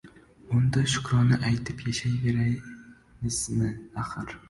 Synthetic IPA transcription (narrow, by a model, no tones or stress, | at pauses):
ʊnd̪aʃʊ̥kɾɒnɪʔajt̪ʰɪpʰjaʃajveɾaj | mɪsnɪaχɨɾ